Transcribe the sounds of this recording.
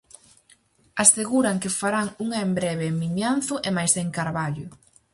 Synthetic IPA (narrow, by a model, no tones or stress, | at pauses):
aseɣuɾaŋkɪfaɾaŋuŋaembɾɛβ̞emiɲanθʊʔemajseŋkaɾβaʎʊ